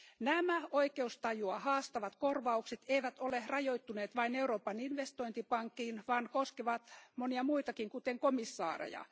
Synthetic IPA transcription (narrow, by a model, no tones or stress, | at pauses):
næmæoikeust̪ɑjuɑhɑːst̪ɑʋɑt̪korʋɑukset̪eiʋæt̪olerɑjoit̪ːuneːt̪ʋɑineuroːpɑninʋest̪oint̪ipɑŋkːiːnʋɑːnkoskeʋɑt̪moniɑmuit̪ɑkiŋkut̪eŋkomisːɑ̰ːrḛjɑ̰